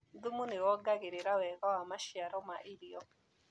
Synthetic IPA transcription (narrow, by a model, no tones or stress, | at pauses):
d̪umonewɔɡaɣeɾeɾawɛɣɔwamaʃjaɾɔmaʔiɾiɔ